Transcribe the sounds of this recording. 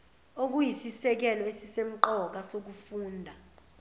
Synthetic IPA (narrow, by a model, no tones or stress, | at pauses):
ok̬ujisisɛk̬ɛlɔesisem̩ǃɔk̬asok̬ufuːndʱa